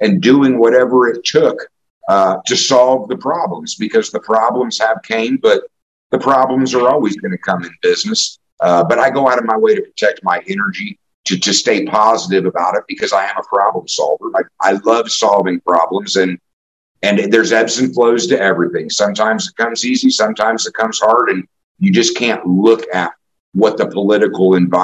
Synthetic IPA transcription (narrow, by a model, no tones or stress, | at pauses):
ɨ̃ndʉɪ̃ŋwʌɾɛvə˞ɪtʰʊk | tʰɨsɑlˠvðɨpʰɹ̥ɑblə̃mzbɨkʰʌzðəpʰɹ̥ɑblə̃mz̥əv̥kʰẽɪ̃nbʌt̪̚ | ðɨpʰɹ̥ɑblə̃mzə˞ɔlˠwizɡʌnɨkʰʌ̃mɨ̃nbɪznɨs | bʌɾaɪɡoʊaʊɾʌvmaɪweɪɾɨpʰɹ̥ətʰɛk̚t̚maɪʔɛnə˞d͡ʒi | ɾɨd͡ʒɨsteɪpʰɑzəɾɨvɨbaʊɾɨt̚b̥ɨkʰʌzaɪɨ̃məpʰɹ̥ɑblə̃m̩sɑ̰lˠvə˞laɪk̚ʔaɪlʌv̥sɑlˠvɪ̃ŋpʰɹ̥ɑblə̃mzɨ̃n | ɨ̃nðə˞zɛbsɨ̃n̩tfloʊz̥tɨɛvɹiθɪ̃ŋsʌ̃mtʰãɪ̃mzɨt̚kʰʌ̃mzizisʌ̃mtʰãɪ̃mzɨt̚kʰʌ̃mz̥hɑɹɾɨ̃n | jɨd͡ʒʌskʰæ̃nʔlʊkɨt̚ | wʌt̪̚ðəpʰəlɪɾɨkl̩ˠɪ̃ɱva